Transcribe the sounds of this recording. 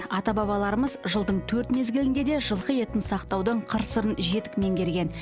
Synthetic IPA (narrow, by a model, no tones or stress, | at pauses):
ɑt̪ɑbɑβɑlˠɑɾəməzʒəlˠd̪əɴt̪ʰɵɾt̪me̞zɡʲɪlɪŋd̪e̞d̪e̞ʒəlˠʁəe̞t̪ɪnsɑqt̪ɑwd̪əɴqʰəɾsəɾənʒe̞t̪ɪ̥kme̞ŋɡʲe̞ɾɡʲe̞n